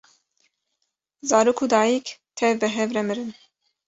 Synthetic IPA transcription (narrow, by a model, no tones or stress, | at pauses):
zɑːɾoːkʰud̪ɑːjikt̪ʰɛvbɛɦɛvɾɛmɨɾɨn